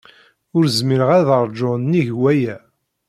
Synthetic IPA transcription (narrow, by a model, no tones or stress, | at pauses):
ʊɾzmiɾəʁæðəɾˤd͡ʒonːiʝwæjæ